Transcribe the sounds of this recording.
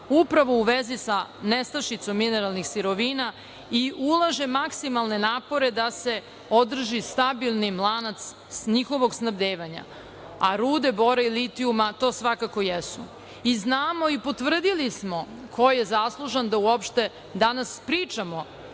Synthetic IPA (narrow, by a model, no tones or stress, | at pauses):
upɾaʋo̞uʋezisanest̪aʃit̪so̞mːineɾalˠnixsiɾo̞ʋina | iʔulˠaʒe̞maksimalˠne̞naːpo̞ɾe̞d̪ase̞ | od̪r̩ʒist̪abilˠnimlˠanat̪s | ɲixo̞ʋo̞ɡsnabd̪eːʋaɲa̰ | aɾuːd̪eboɾailit̪iumat̪o̞ːsʋakako̞jesṵ | iznaːmo̞ipo̞t̪ʋr̩d̪ilismo̞ | kʰo̞jjezaslˠuʒand̪auopʃt̪e̞ | d̪anaspɾiːt͡ʂamo̞